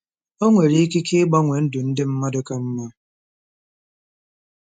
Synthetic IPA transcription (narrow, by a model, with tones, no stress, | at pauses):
o˦ŋʷe˨ɾi˦ki˦kʰi˦ɡ͡ba˦ŋʷe˨n̩˦du˨n̩˦dɪ˦m̩˦ma˦do˦ka˦m̩˦ma˦